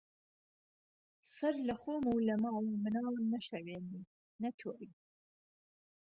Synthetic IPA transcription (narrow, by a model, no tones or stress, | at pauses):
sɐɾlɐxoːmuːlɐmɑːwumɨnɑːnɐʃɐweːni | nɐtʰoːi